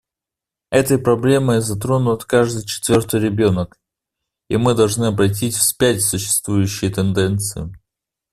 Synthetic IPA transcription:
ɛt̪əjpɾɐblʲe̞məjzɐt̪ɾo̞nʊt̪kaʐd̪ɨjt͡ɕɪ̥t̪vʲo̞rt̪ɨjɾʲɪbʲo̞nək | imɨd̪ɐlˠʐnɨɐbɾɐt̬ʲitʲfsʲpʲætʲsʊɕːɪ̥st̪vujʉɕːɪjət̪ɨnd̪ɛnt̪sɨjɪ

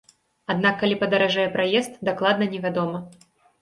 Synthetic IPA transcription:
ad̪nakːalʲipɐd̪ɐɾaʐajɛpɾajɛst̪̚d̪aklˠad̪nɐnʲɛvʲad̪ɔmɐ

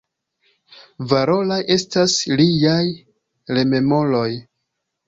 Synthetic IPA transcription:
vaɾo̞lajʔe̞staslijaj | ɾe̞me̞mo̞lo̞j

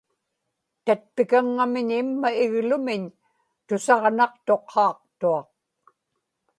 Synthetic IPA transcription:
t̪at̪̚pɪkaŋːamɪɲɪmːaɪɣlʊmɪɲ | t̪ʊsɑʁnɑq̚t̪o̞qʰːɑːq̚t̪uɑq̚

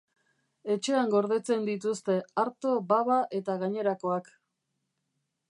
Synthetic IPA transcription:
e̞t͡ʃe̞aŋɡo̞ɾð̞e̞t͡se̞nd̪it̪̬ust̪e̞aɾt̪o̞baβaʔe̞t̪aɣaɲe̞ɾako̞ak

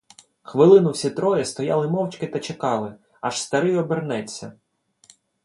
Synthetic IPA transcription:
xʋɪlˠɪnʊwsʲit̪ɾɔjɛst̪ɔjɑlˠɪmɔwt͡ʃkɪt̪ɐt͡ʃekɑlˠɪ | ɐʃst̪ɐɾɪjɔbernɛt͡sʲːɐ

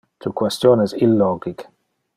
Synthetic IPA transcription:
tʰukʰwɛstjɔnəzɪlːɔɡɪk

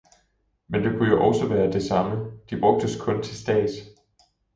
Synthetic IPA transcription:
mend̥e̝kʰujo̝ʔɒ̽sɒʋæːɐd̥e̝sɑ̈məd̥ib̥ʁɔ̽ɡ̥̚d̥əskʰɔ̽nt͡sʰe̝lsd̥ɛ̰ːd̥

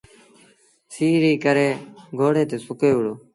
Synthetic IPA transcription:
siːɾiːkəɾeːɡʱoːɽeːt̪eːsʊkeːʊɽoː

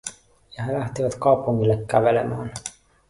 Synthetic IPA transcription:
jɑɦelæht̪iʋæt̪kɑupuŋːilːekːæʋelemæːn

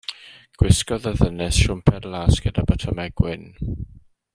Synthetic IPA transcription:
ɡ̥wɪskɔðəðənɛsʃʊmpʰɛdlˠaːsɡ̥ədabətʰəmɛɡ̥wɪn

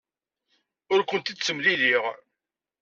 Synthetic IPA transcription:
ʊɾkʷənt̪id̪t͡sːəmliliʁ

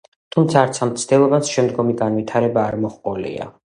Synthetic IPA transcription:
t̪ʰumt̪sʰaːɾt̪sʰamt̪sʰd̪ɛlˠɔbat̪sʃɛmd̪ɡɔmiɡanvwit̪ʰaɾɛbaːɾmɔχqʼɔlḭa̰

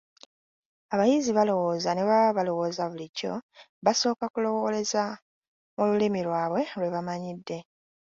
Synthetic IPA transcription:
aβajiziβalo̞wo̞ːzaneβaβalo̞wo̞ːzaβulicːo̞ | βaso̞ːkakulo̞wole̞za | mululimilwaːβwe̞lwe̞βamaɲidːe̞

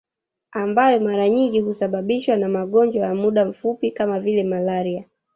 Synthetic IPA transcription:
ambajɔmaɾaɲiŋɡihusaɓaɓiʃwanamaɠɔnd͡ʒwajamuɗam̩fupikamavilɛmalaɾia

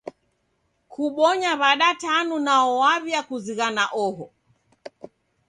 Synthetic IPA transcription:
kʰuɓɔɲaβaɗatanunaɔwaβjakuziɣanaʔɔɦɔ

